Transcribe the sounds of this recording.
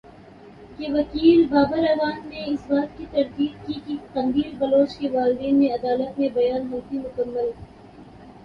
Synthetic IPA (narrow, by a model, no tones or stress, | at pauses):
keʋɐkiːlbaːbəɾɐʋaːnːeɪsbaːɾt̪̚kit̪ɐɾt̪iːd̪̚kikit̪ɐmb̪iːlbɐloːt͡ʃkeʋaːlɪd̪iːnmẽɐd̪aːlət̪mẽbɐjaːnɦɐlt̪imʊkəmːəl